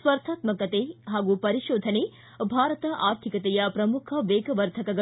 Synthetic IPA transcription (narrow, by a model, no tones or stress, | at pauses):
sʋɐɾt̪ʰaːt̪mɐkɐt̪eɦaːɡupɐɾiʃoːd̪ʱɐne | bʱaːɾɐt̪ɐʔaːɾt̪ʰikɐt̪ɛjɐpɾɐmukʰɐʋeːɡɐʋɐɾt̪ʰɐkɐɡɐ